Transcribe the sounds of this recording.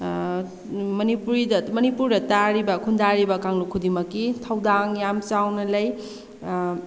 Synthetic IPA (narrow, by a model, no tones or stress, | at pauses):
mɐnipuɾidɐmɐnipuɾdɐtaɾibɐkʰundaɾibɐkaŋlukʰudimɐkːitʰɐwdaŋjamt͡ʃawnɐlɐj